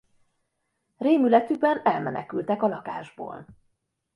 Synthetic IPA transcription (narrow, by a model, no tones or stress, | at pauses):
reːmylɛt̪yɡ̚bɛnɛlmɛ̰nɛ̰kylt̪ɛkɒlɒka̰ːʒbo̰ːl